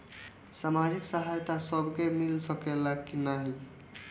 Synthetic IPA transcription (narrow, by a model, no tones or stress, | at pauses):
samad͡ʒiksaɦajt̪asəbʱkemilsəkelakkinaɦi